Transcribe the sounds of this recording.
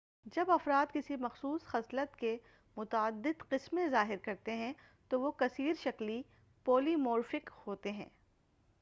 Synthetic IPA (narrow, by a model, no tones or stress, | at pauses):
d͡ʒɐbɐfɾaːt̪kɪsimɐxsuːsxɐslət̪ke | mʊt̪əd̪ːɪd̪qɪsmẽzaːɦɪɾkɐɾt̪eɦɛ̃ | t̪oʋokɐsiːɾʃɐkli | poːlimoːɾfɪkhoːt̪eɦɛ̰̃ː